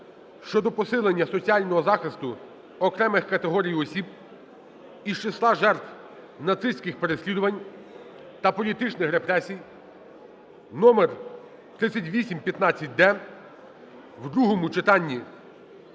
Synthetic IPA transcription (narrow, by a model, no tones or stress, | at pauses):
ʃt͡ʃɔd̪ɔpɔsɪlˠenʲːɐsɔt͡sʲiɑlʲnɔɦɔzɑxɪst̪ʊ | ɔkɾɛmɪxkɐt̪eɦɔɾʲijɔsʲib̚ | iʃt͡ʃeslˠɑʒɛrt̪w | nɐt̪sɪsʲkɪxpeɾesʲlʲid̪ʊʋɐnʲ | t̪ɐpɔlʲit̪ɪt͡ʃnɪxɾepɾɛsʲij | nɔmer | t̪ɾɪt͡sʲːɐtʲʋʲisʲimpʲjɐt̪nɑt͡sʲːɐt̚ʲd̪ɛ | wd̪ɾuɦɔmʊt͡ʃɪt̪ɑnʲːi